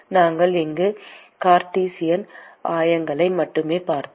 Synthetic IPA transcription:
naːŋɡɐɭɪŋɡɯkaːɾʈiːsɪjɐnʔaːjɐŋɡɐɭɐɪmɐʈːɯmeːpaːɾt̪

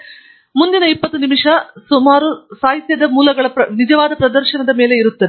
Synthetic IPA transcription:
mund̪inɐipːɐt̪ːunimiʂɐsumaːɾusaːɦit̪jɐd̪ɐmuːlɐɡɐɭɐpnid͡ʒɐʋaːd̪ɐpɾɐd̪ɐɾʃɐnɐd̪ɐme̞ːle̞iɾut̪ːɐd̪e

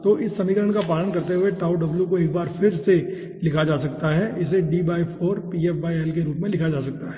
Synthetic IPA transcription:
t̪oːʔɪsːɐmiːkəɾəɳkapaːlənkɐɾt̪eɦʊeʈaːʊɖɐbljukoeːk̚baːɾfɪɾse | lɪkʰad͡ʒaːsɐk̚t̪aɦɛʔɪseɖiːbaːifʰoːɾpiːɛːfʋaːiɛlkeɾuːpmẽlɪkʰad͡ʒaːsɐk̚t̪aɦɛː

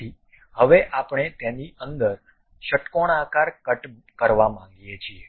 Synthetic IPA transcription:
i | həʋeʔapɳ̃et̪ẽniʔənd̪əɾ | ʃəʈkoɽ̃akaɾkəʈ | kəɾʋamãŋɡijet͡ʃʰie

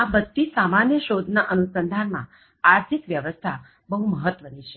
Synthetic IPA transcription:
abəd̪tːisamanjəʃod̪ʱnaʔənusənd̪ʱanmã̰ | aɾt̪ʰikʋjəʋəst̪ʰa | bəɦuməɦət̪ːʋənit͡ʃʰe̥

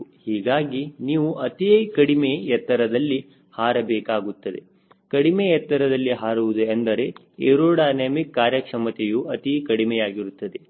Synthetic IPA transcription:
hiːɡaːɡiniːʋuʔɐt̪ikɐɽimejɛt̪ːɐɾɐd̪ɐlːi | haːɾɐbɛːkaːɡut̪ːɐd̪e̞̰ | kɐɽimejɛt̪ːɐɾɐd̪ɐlːiɦaːɾuʋud̪uɐnd̪ɐɾe̞ | eɾoːɽaːneːmikːaːɾjɐkʂɐmɐt̪ejuɐt̪ikɐɽimɛjaːɡiɾut̪ːɐd̪e

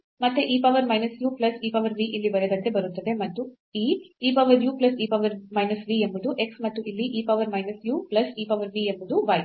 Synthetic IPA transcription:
mɐt̪ːeʔiːpɐʋɐɾmɐjnɐsjuːplɐsiːpɐʋɐɾʋiːʔilːibɐɾɛd̪ɐnt̪e̞bɐɾut̪ːɐd̪e̞mɐt̪ːu | iːiːpɐʋɐɾjuːplɐsiːpɐʋɐɾmɐjnɐsʋiembud̪uʔe̞ksmɐt̪ːuʔilːiʔiːpɐʋɐɾmɐjnɐsjuːplɐsiːpɐʋɐɾʋiːembud̪uʋɐj

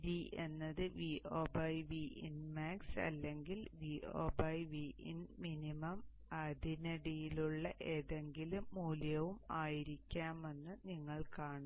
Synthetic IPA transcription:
ɾiʔe̞nːɐðɨʋiʔo̞ːbɐjʋiinmaːksɐ̰lːe̞ŋɡilʋio̰ːbɐjʋiʔḭnminimɐm | ɐd̪ʱinɐɽijiluɭːɐʔe̞ːðe̞ŋɡilumːuːljɐʋumaːjiɾikʲːaːme̞nːɨniŋːɐɭkaːɳu

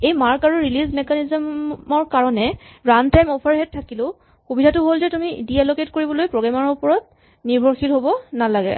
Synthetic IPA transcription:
ejmaɹkaɹuɹilizmɛkanizmɔɹkaɹɔnɛɹantajmɔpʰaɹɦɛt̚tʰːakilʊ̃ | xubidʱatʊɦolzɛtumḭdiɛloketkoɹibɔlojpɹɔɡɛmaɹɔupɔɹɔt̚ | niɹbʱɔɹxilɦobɔnalaɡɛ̰

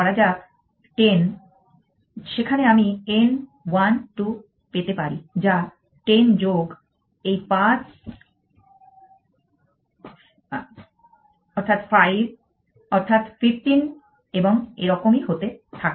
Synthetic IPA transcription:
ɔɾad͡ʑa | ʈen | ʃekʰaneamien | wanʈu | pet̪epaɾid͡ʑa | ʈend͡ʑoɡ | ejpãt͡ɕ | ɔɾt̪ʰat̪fajb̚ | ɔɾt̪ʰat̪fifʈin | eboŋḛɾɔkomiɦot̪et̪ʰak

